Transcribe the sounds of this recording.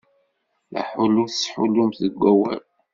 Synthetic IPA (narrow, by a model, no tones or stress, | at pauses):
læ̰ħuluθsħulumθəɡʷːæwæ̰l